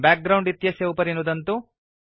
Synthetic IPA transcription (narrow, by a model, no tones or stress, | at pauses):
bʲaːk̚ɡɾɐwɳɖit̪ːjɐsjɐupɐɾinud̪ɐnt̪u